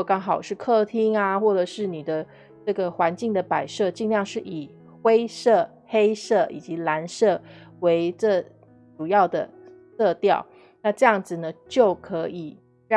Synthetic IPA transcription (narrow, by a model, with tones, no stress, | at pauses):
kɑ˥ŋxɑ˨˩ʊʂɻ̩˥˧kʰɤ˥˩t̪ʰi˥ŋa˧xwɔ˥˩ʈ͡ʂə˨˩ʂɻ̩˥˩ni˨˩d̪ə˦ | ʈ͡ʂɤ˥˩ɡə˩xwa˧˥nt͡ɕi˥˩ŋd̪ə˩pa˨˩ɪʂɤ˥˧t͡ɕi˥˧ŋljɑ˥˧ŋʂɻ̩˥˩ʔi˨˩ | xwe˥ɪʂɤ˥˩ | xe˥ɪʂɤ˥˩i˨˩t͡ɕi˧˥la˧˥nʂɤ˥˩we˧˥ɪʈ͡ʂɤ˥˩ | ʈ͡ʂu˨˩jɑ˥˩ʊd̪ə̰˩ | sɤ˥˧t̪jɑ˥˩ʊ | na˥˧ʈ͡ʂɤ˥˧jɑ˥˩ŋd͡zɹ̩˨˩nə˩t͡ɕjo˥˩ʊkʰɤ˧˥i˨˩ | ɻɑ˥˨